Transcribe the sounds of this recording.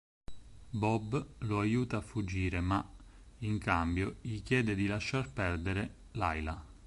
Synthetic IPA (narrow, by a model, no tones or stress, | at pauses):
bɔblʊajuːt̪aːfːud͡ʒːiːɾemaiŋkambjoʎikjɛːd̪ed̪ilaʃːarpɛrd̪eɾe | lajla